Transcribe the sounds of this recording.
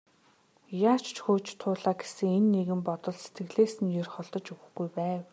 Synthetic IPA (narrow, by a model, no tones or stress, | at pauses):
jaːt͡ɕʰt͡ɕxoːt͡ɕt̪ʰʊːɮaːɡe̥sɘ̆ŋenːeɣɘ̆mpɔt̪ɞ̆ɮse̥t̪ɡɘ̆ɮeːsɘ̆njerχɔɮt̪ɞ̆t͡ɕɵwɘ̆xɡujpæːw